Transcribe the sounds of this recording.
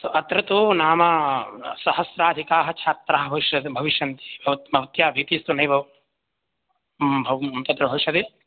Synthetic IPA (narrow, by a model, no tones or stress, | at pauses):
t̪oʔɐt̪ɾɐt̪unaːmɐsɐɦɐsɾaːd̪ʱikaːɦɐ̆t͡ʃʰaːt̪ɾaːɦɐ̆bʱɐʋiʃjɐd̪bʱɐʋiʃjɐnt̪i̥bʱɐbʱɐʋɐt̪jaːbʱit̪ist̪unɐjbʱɐ | bʱɐɐnt̪ɐt̪ɾɐbʱɐʋiʃjɐd̪i